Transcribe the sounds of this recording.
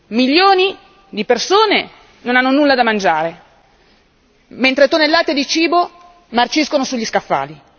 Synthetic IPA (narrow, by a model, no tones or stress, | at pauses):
miʎːoːni | d̪ipersoːne | nonanːonulːad̪amand͡ʒaːɾe | ment̪ɾet̪onelːaːt̪ed̪it͡ʃiːbo | mart͡ʃiskonosuʎːiskafːa̰ːli